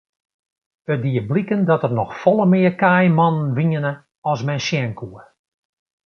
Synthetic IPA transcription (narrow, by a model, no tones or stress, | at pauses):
ədiəblikəndɔtərnɔxfɔlˠəmɪːəkajmɔnənʋiɲənə | ɔsmɛnsjɛŋkʰuə